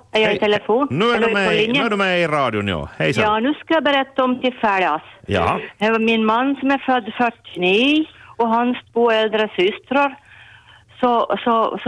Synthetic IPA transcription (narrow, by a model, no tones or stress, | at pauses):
æjɑɪt̪ʰɛləfoːnnʉːæmɛlɪnjəɖʉmɛɪɾɑːd̪jʊnɪo̰ːhɛjsjɑːnʉːskɑjɑbəɾɛt̪ːaɔmt̪ʰɪlfæːɖɑsjɑ̰hɛmɪnmanːsɔmæɾfœd̪ːfœʈːɪniːɔɦanst̪ʰvoːɛld̪ɾəsʏst̪ɾəɾ | sɔsɔs